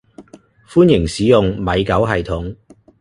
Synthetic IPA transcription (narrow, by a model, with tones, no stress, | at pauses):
fuː˥njɪ˨˩ŋsiː˨˥jʊ˨ŋmɐ˨˧jkɐ˨˥wɦɐ˨jt̪ʰʊ˨˥ŋ